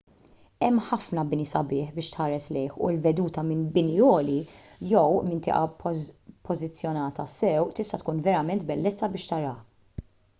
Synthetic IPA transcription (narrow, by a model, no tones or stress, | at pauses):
ɛmːħɐfnɐbɪnisɐbɪːħbɪːʃt̪ħɐːɾɛslɛjħṵlvɛd̪uːt̪ɐmɪnbɪniɔːli | jɛwmɪnt̪ɪ̰ːʔɐ | pʰɔzɪt͡sːjɔnɐːt̪ɐsɛwt̪ɪst̪ɐt̪kuːnvɛɾɐmɛnt̪bɛlːɛt͡sːɐbɪːʃt̪ɐɾɐ